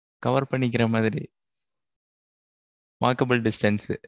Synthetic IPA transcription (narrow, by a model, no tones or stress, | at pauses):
kɐʋɐɾpɐɳːɪk̬ːɪɾɐmaːðɪɾi | ma̰ːkɐbɪlɖɪsʈɐns